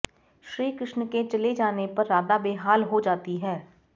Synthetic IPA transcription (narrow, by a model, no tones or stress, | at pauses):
ʃɾiːkɾɪʃnəkeːt͡ʃəleːd͡ʒaːneːpəɾːaːd̪aːbeːɦaːlɦoːd͡ʒaːt̪iːɦɛː